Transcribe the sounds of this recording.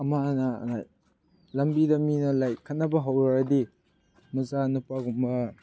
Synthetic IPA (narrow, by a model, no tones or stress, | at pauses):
ɐmanɐ̰naj | lɐmbidɐminɐlajkʰɐt̚nɐbɐɦawɾaɾɐdi | mɐzanupaɡumbɐ